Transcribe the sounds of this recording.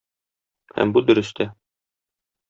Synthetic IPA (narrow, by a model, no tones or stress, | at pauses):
hæ̰mbud̪ɵ̆ɾɵ̆st̪ʰæ